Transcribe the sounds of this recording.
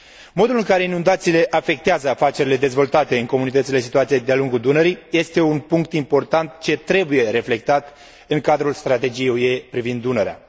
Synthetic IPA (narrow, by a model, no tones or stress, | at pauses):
mo̞d̪ulɨŋkaɾe̞inund̪at̪siːle̞ʔafe̞k̚t̪eazəafat͡ʃe̞ɾile̞d̪e̞zvo̞lt̪at̪e̞ɨŋko̞munit̪ət̪sile̞si̥t̪uat̪sijejd̪ealuŋɡud̪unəɾijje̞st̪e̞unpuŋk̚t̪impo̞rt̪ant̪t͡ʃe̞t̪ɾe̞buje̞ɾe̞fle̞k̚t̪at̪ | ɨŋkad̪ɾulst̪ɾat̪e̞d͡ʒijejue̞pɾivind̪ːunəɾea̰